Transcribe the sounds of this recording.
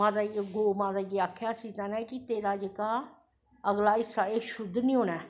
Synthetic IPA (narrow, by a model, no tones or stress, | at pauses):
mãːd̪aːɡoːmãːzaːjeːaːkʰjaːsiːt̪aːnɛːkit̪eːɾaːd͡ʒeːkaː | əɡlaːisaːeːʃʊd̪ʱːnĩːɦoːnɛː